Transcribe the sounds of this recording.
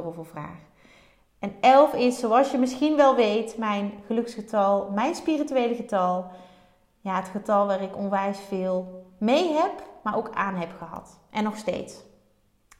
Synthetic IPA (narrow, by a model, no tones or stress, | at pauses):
rovəvra̰ːχ | ɛnɛlˠfɪsowɑlˠsjəmɪsχinʋɛlˠʋejtmɛjnχəlɵksχətɑlˠmɛjnspirityʋejləɣətɑlˠ | jaːɦətχətɑlˠʋaːrɪkɔnʋɛjsfɪːlˠmejɦɛpmaːɹʔowka̰ːnɦɛpχəɦɑ̰t | ʔɛnːɔxstḛjts